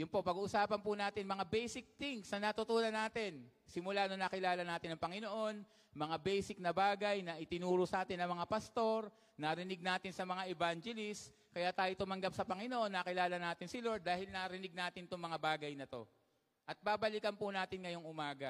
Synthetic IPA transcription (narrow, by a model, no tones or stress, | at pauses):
jʊnpo̞pɐɡuːʔʊsaːpɐnpʊnaːt̪ɪnmɐŋabɛjsɪk̚t̪ɪŋsnɐnat̪ʊt̪uːnɐnːaːt̪ɪnsɪmʊlanonɐkɪlaːlɐnaːt̪ɪnɐŋpɐŋɪno̞ʔo̞n | mɐŋabɛjsɪk̚nɐbaːɡɐjnɐʔɪt̪ɪnuːɾʊsɐʔaːt̪ɪnɐŋmɐŋapɐst̪o̞ɾ | naɾɪnɪɡ̚naːt̪ɪnsɐmɐŋaʔɛbaŋd͡ʒɛlɪs | kɐjat̪aːjot̪ʊmɐŋɡap̚sɐpɐŋɪno̞ʔo̞nːɐkɪlaːlɐnaːt̪ɪnsɪlo̞ɹd̪ːaːhɪlnaɾɪnɪɡ̚naːt̪ɪnt̪ʊŋmɐŋabaːɡɐjnɐt̪o̞ | ʔɐt̪̚baːbɐlɪkɐnpʊnaːt̪ɪnŋɐjo̞ŋʔʊmaːɡɐ